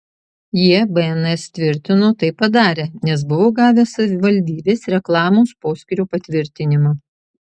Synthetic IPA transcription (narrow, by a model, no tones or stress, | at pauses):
jiɛbɛɛnɛst̪ʲʋʲɪɾʲt̪ʲɪnoːt̪ɐɪpːɐd̪ɑːɾʲeːnʲɛsbʊʋoːɡɑːʋʲeːsɐʋʲɪʋɐlʲd̪ʲiːbʲeːsɾʲɛklˠɑːmoːspoːsʲkʲɪɾʲuːpɐt̪ʲʋʲɪɾʲt̪ʲɪnʲɪmɐ